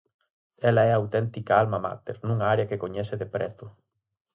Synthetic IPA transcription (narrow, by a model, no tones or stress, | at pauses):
ɛlaɛawt̪ɛnt̪ikaalmama̰t̪ḛɾnũŋaaɾeɐkekoɲɛseðepɾɛt̪ʊ